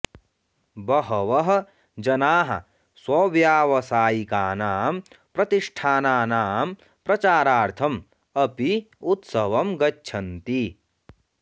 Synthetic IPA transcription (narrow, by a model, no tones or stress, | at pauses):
bɐɦɐʋɐɦɐ̆ | d͡ʒɐnaːɦɐ̰ | swɐʋjaːʋɐsaːjikaːnaːm | pɾɐt̪iʂʈʰaːnaːnaːm | pɾɐt͡ʃaːɾaːɾt̪ʰɐm | ɐpi | ut̪sɐʋɐmɡɐːʃʰɐnt̪i